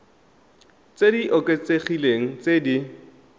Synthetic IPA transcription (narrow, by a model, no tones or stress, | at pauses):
t͡sediʔokʼet͡sʼeχileŋ̩t͡sʼedi